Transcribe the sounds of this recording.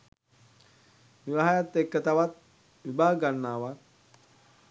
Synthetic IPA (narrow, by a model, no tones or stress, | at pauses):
ʋiʋaɦajat̪ːekːət̪aʋat̪̚ | ʋibʱaːɡanːaːʋat̪̚